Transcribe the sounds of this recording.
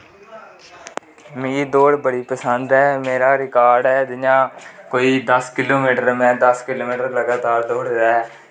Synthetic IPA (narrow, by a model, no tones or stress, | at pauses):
mĩːd̪oːɽbəɽiːpəsənd̪ɦɛːmeːɾaːɾɪkaːɾɖɦɛːd̪ɪjãːkoːiːd̪əskɪloːmiːʈəɾmɛ̃ːd̪əskɪloːmiːʈəɾləɡaːt̪aːɾd̪oːɽdaːɛ